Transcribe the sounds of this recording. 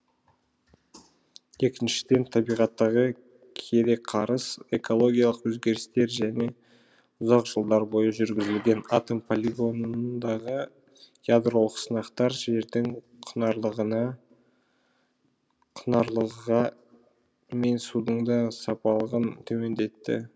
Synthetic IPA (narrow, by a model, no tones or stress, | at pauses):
e̞kʲɪnʃɪ̥d̪e̞nt̪ʰɑbijʁɑt̪ːɑʁə | kʲʰe̞d̪e̞qʰɑɾəseko̞lˠo̞ɡʲijɑlˠəqwɵzɡʲe̞ɾɪst̪e̞ɾʒæne̞ | ʊzɑqʒ̥əlˠd̪ɑɾbo̞jəʒʏɾɡʲɪzɪlɡʲe̞nat̪o̞mpʰo̞lʲiɡo̞nd̪ɑʁə | jad̪ɾo̞lˠəqsənɑqt̪ɑɾʒe̞ɾd̪ɪŋ | qʰənɑɾlˠəʁənɑ | qʰənɑɾlˠəʁɑ | me̞nsud̪əɴd̪ɑsɑpɑlˠəʁənt̪ʰɵme̞nd̪e̞t̪ːɪ̰